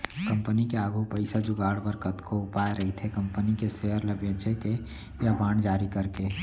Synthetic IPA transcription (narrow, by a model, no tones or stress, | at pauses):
kəmpənikeaːɡʱupəɪsad͡ʒuɡaːɽbəɾkət̪koupaeɾəɦit̪ʰekəmpənikeseɦəɾləbẽt͡ʃʰeke | jabaːɳd͡ʒaːɾikəɾke